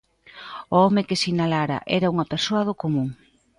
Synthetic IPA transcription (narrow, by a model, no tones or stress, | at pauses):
ʊɔmekɪsinalaɾɐ̰ʔɛɾauŋɐpeɾsoɐðʊkomũŋ